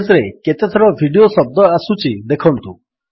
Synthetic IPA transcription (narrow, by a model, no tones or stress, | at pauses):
zɾeket̪et̪ʰɔɾɔbʱiɖiosɔb̚d̪ɔasut͡ʃid̪ekʰɔnt̪ũ